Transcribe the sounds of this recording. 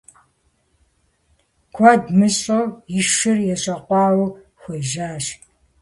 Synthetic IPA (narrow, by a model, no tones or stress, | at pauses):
kʷʰaːdmɨɕʼowjɪʃɨrjɛɕʼɐqʷɑːw | xʷɐʒaːɕ